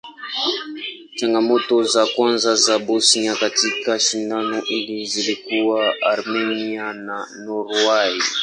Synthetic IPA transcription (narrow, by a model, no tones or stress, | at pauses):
t͡ʃaŋɡamɔtɔzakwanzazabosiɲakatikaʃinanɔʔilizilikuwaaɾmɛniananɔɾwai